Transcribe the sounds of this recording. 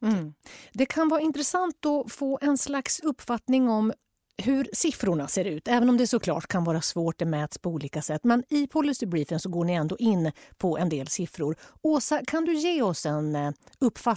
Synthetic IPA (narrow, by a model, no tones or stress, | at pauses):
d̪ɛkʰanvɑːɾaɪnt̪ɾɛsant̪ɔfoːʔɛnslaksɵpːfat̪nɪŋɔm | ɦɵɾsɪfɾʊɳaseːɾʉ̟ːt̪ɛːvənɔmd̪ɛʂɔkʰlɑ̰ːʈkʰanvɑːɾasvoːʈ̚d̪ɛmɛːt̪spʰɔuːliːkasɛt̪ːmɛnɪpʰɔlːɪsɪbɾiːfɪnsɔɡoːɳɪɛnd̪oːʔɪnːpʰɔʔɛnd̪eːlsɪfɾʊɾoːsakʰand̪ɵjeːɔsɛnɵpːfa